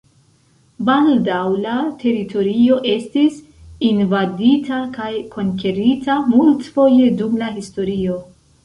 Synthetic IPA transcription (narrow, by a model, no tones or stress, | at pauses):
baldawlatʰe̞ɾitʰo̞ɾio̞ʔe̞stis | invaditakajkʰo̞ŋke̞ɾitʰamultfo̞je̞dumlaɦisto̞ɾio̞